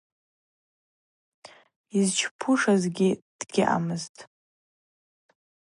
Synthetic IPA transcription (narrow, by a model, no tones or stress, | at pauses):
izt͡ʃʰpʰuʂazɡʲid̥ɡʲɪʔa̰mɨztʼ